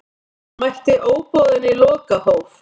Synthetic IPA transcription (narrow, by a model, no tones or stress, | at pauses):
majht̪ɪʔoːwpɔðɪnːɪlɔːkahowf